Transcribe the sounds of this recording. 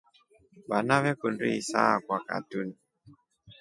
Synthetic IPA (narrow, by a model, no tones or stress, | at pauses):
βanaβɛkundiisa̰kwaka̰tuni